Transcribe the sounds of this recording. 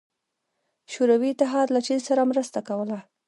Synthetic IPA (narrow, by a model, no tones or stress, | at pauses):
ʃuɾawit̪ɪɦɑɾlat͡ʃizsaɾamɾəst̪akawəla